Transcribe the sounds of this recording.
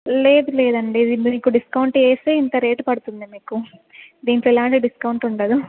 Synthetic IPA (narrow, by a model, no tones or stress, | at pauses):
leːd̪ule̞ːd̪ɐɳɖid̪imiːkuɖiskɐwɳʈeːseːint̪ɐɾeːʈpɐɽut̪und̪imiːkud̪iːnʈoːɛlaːɳʈiɖiskɐwuɳʈuɳʈɐd̪u